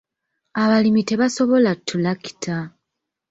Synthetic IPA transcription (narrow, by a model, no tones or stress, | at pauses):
aβalimite̞βaso̞βo̞latʰːulaki̥tʰa